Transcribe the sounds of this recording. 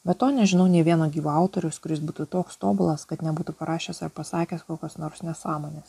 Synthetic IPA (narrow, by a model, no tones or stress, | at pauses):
bʲɛt̪oːnʲɛʒʲɪnɐʊnʲeɛʋʲiɛnoːɡʲiːʋuɐʊt̪oːɾʲʊskʊɾʲɪsbuːt̪ut̪oːkst̪oːbʊlˠɐskɐt̪nʲɛbuːt̪upɐɾɑːʃʲeːsɐɾpɐsɑːkʲeːskoːkʲosnoːɾsnʲɛsɑːmoːnʲeːs